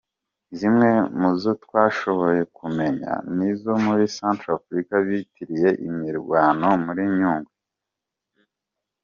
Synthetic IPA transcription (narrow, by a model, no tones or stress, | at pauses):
zimŋe̞muzo̞twaːʃo̞βo̞je̞kume̞ɲa̰nizo̞muɾisaːntɾafɾikaβitiɾije̞ʔimiɾɡwaːno̞muɾiɲuːŋɡu